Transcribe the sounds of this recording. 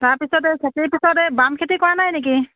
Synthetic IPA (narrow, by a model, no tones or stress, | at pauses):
taɹpisɔtɛkʰetipisɔtɛbamkʰetikɔɹanajnek̬i